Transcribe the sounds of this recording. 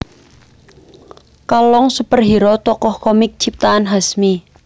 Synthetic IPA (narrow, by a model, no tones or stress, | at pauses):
kalɔŋsəpərɦiɾɔt̪ɔkɔhkɔmɪk̚t͡ʃip̚t̪aanɦasmi